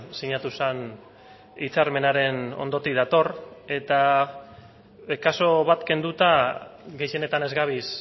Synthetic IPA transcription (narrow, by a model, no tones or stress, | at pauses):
siɲat̪usan | it͡saɾme̞naɾe̞no̞̰nd̪o̞t̪iðat̪o̞re̞t̪a | kaso̞βat̪ke̞nd̪ut̪aɣe̞jʃe̞ne̞t̪ane̞zɣaβ̞is